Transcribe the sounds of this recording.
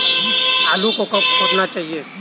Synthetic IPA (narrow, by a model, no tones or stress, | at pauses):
aːlukokɐpkɐɾnat͡ʃaːɦieː